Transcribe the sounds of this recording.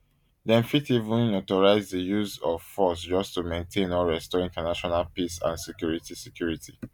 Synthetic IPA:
dɛ̃nfitivũnɔtɔɹaɪzdəjuzɔv̥fɔs̬d͡ʒɔstumẽntʰẽnɔɹɛstɔĩntanaʃɔnalpisã̰nsɛkjuɹitisɛkjuɹitʰi̥

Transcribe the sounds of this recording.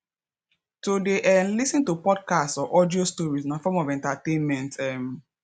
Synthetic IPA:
todeʔɛnlisĩntupɔd̚kastɔʔɔdiostɔɹisnãfɔmɔvɛ̃ntatẽnmɛ̃ntɛm

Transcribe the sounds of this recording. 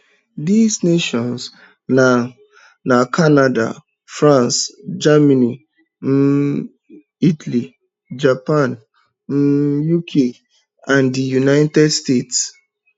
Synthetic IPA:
dizneʃɔ̃ns | na | nakʰanada̰ | fɾãnsd͡ʒamani | m̩ | itali | d͡ʒapãn | m̩jukʰe | ãndijunaɪtɛdstets

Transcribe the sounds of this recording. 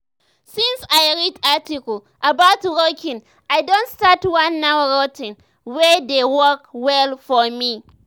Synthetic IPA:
sĩnsajɹidatikɔl | ʔabaʊtɹokʰĩŋ | ajdõntstatwãnːawɹotĩn | wɛdewɔkwɛlfɔmi

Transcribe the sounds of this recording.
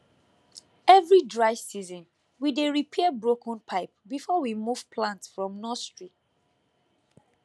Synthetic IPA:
ɛvɹidɹaɪsizɔ̃n | wideɹipʰɛbɹokʰə̃npʰaɪpbifɔwimuv̥pʰlãntsfɹɔ̃mnɔstɹit

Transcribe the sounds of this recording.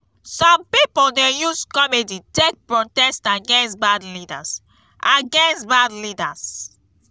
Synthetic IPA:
sɔ̃mpipodɛjuskɔmeditek̚pɹɔtɛstaɡɛ̃nsbadlida̰s | ʔaɡɛ̃nsbadlidas

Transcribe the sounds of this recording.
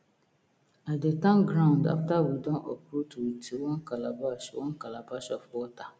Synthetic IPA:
adetãnɡɾãʊ̃nda̰ftawidɔ̃nʔɔpɾutuwitiwɔnkalabawɔnkalabaʃɔfwɔta

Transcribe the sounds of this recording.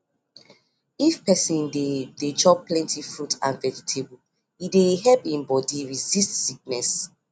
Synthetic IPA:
ifpɛsĩndedet͡ʃɔk̚plɛ̃ntʰifɹutã̰nvɛd͡ʒitʰebu | ideɦɛpĩmbɔdiɹizistsik̚nɛs

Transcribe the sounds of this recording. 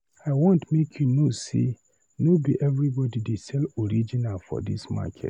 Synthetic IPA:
aɪwɔ̃ntmekʰjunosḭ | nobiʔɛvɹibɔdidesɛlɔɹid͡ʒinalfɔ̰dḭsma̰kʰɛ̰t

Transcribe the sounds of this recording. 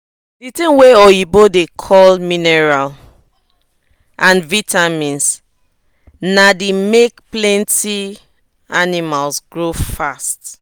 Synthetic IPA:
ditĩmweɔibodekʰɔlminɛɹal | ʔãnvitʰamĩns | nademekplɛ̃nti | animalsɡɹofast

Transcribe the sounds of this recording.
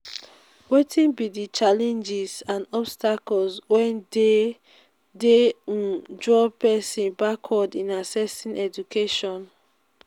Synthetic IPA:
wetʰĩnbidit͡ʃalɛ̃nd͡ʒizãnɔbstakɔlswɛ̃nde | deũd͡ʒɹɔpɛsĩnbakʰɔdĩnasɛsĩnʔɛd͡ʒukʰeʃɔ̃n

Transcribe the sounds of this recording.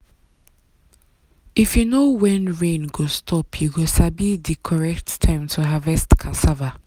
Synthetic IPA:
ʔifjunowɛ̃nɹẽnɡostʰɔpʰjuɡosabidikʰɔɹɛk̚ttʰãɪ̃mtʰuɦavɛstkʰasava

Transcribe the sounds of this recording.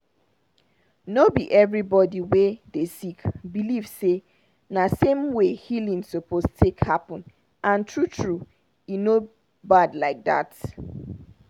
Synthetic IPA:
nobiʔɛvɹibɔdiwedesikbilivse | nasẽmwehilĩnsopostʰekhapɔ̃n | ʔãntʰɹutʰɹu | ino | badlaɪk̚ða̰t

